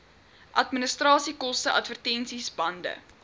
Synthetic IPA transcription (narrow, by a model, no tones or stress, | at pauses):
ʔɐtminəstrɑːsikɔstəʔɐ̰tvərtɛnsisbɐndə̰